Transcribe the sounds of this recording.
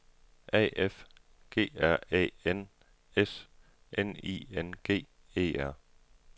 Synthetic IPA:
ʔɛ̰ːef | ɡ̥e̝̰ːæɐ̰ɛ̰ːen | es | ʔenḭːenɡ̥e̝̰ː | e̝̰ːæɐ̰

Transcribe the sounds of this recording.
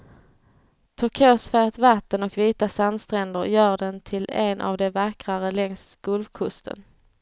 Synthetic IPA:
t̪ʰɵɾkʰøːsfæːt̪vat̪ːənɔkviːt̪asand̪st̪ɾɛnd̪əɾjœːɖɛnt̪ʰɪlɛnʔa̰vd̪ɛvakɾaɾəlɛŋsɡ̥ɵlvkʰɵst̪ʰə̰n

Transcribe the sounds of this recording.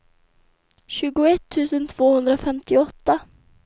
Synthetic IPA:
ɕʉ̟ːɡʊɛt̪ʰːʉ̟ːsənt̪ʰv̥oːhɵnd̪ɾafɛmt̪ɪɔt̪ːa

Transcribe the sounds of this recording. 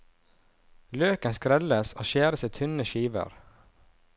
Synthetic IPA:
løːkənskɾɛləsoːʃeːɾəsiːt̪ʰʉnəʃiːʋə̰ɾ

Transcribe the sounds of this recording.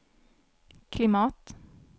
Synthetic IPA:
kʰlɪmɑːt̪

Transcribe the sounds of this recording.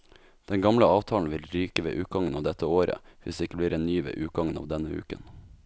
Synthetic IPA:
d̪̥ɛŋɡɑmləɑːʋt̪ʰɑːln̩ʋɪlɾyːkəʋḛːʔʉːt̪̚ɡɑŋːənɑːʋd̪ɛt̪ʰːəoːɾə̰ʋɪsd̪eːɪkːəbliːɾɛnnyːʋḛːʔʉːt̪̚ɡɑŋənɑ̰ːʋd̪ɛnəʉ̰ːkə̰n

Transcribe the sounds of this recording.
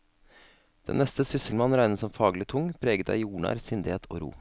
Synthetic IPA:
d̪̥ɛ̰nnɛst̪əsʏsəlmɑnɾæɪnəsɔmfɑːɡlɪt̪ʰʊŋpʰɾeːɡət̪æ̰ɪjuːɳɑ̰ɾsɪnd̪eːt̪ʰo̰ːɾṵː

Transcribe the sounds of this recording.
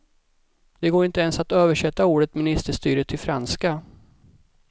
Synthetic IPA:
d̪̥ɛɡoːɾɪnt̪əɛnsat̪øːvəʂɛt̪ːauːɖət̪mɪnɪst̪əʂt̪yːɾət̪ʰɪlfɾanska

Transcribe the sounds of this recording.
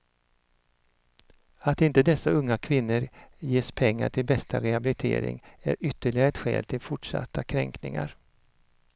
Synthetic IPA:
at̪ɪnt̪əd̪ɛsːaɵŋːakʰvɪnːəɾjeːspʰɛŋːa̰ʈʰɪlbɛst̪ʰaɾɛhabɪlɪt̪ʰḛːɾɪ̰ŋæ̰ɾʏt̪ːəɭɪɡaɾɛt̪ɧɛ̰ːlt̪ʰɪlfʊʈʂa̰t̪ʰːakʰɾɛŋknɪ̰ŋa̰ɾ

